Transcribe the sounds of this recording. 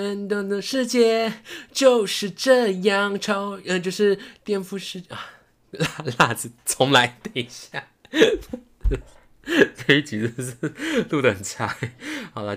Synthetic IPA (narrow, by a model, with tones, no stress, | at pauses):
nt̪o˥˧˩d̪ə˧ʂɻ̩˥˧t͡ɕjɛ˥˩t͡ɕjo˥˧ʊʂɻ̩˥˧ʈ͡ʂɤ˥˧jɑ˥˩ŋʈ͡ʂʰo˥ʊ˧t͡ɕjo˥˧ʊʂɻ̩˥˧t̪jɛ˥˧nfu˥˧ʂɻ̩˥˧a˧˩ | la˥˩˧la˥˧t͡sɹ̩˨˩t͡sʰʊ˧˥ŋla˧˥ɪt̪ɛ˥˩ɕja˥˩˧ | fe˥i˥˩t͡ɕi˨˥˧ʂ̩˥˩˧lu˥˧˩d̪ə˨ə˩nt͡sʰa˧˥˦ɪxɑ˨˩ʊlə˧